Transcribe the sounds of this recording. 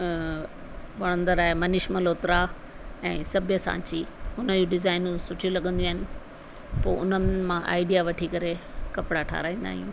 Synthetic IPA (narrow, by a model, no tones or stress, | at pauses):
ʋɐɽ̃ə̃nd̪əɾaːɦemɐnɪʃməloːt̪ɾa | ɛ̃ːsɐbʱjəsã̰ːt͡ɕiʊnəd͡ʑuɖɪzaːɪnsʊʈʰijulɐɠʱə̃nd̪iaːɦɪnɪ̆ | po̰ːʊnəmãʔa̰ːɪɖijaʋɐʈʰikɐɾekɐpɽaʈʰa̰ːɾaːĩːn̆d̪a̰ːɦiṵ̃ː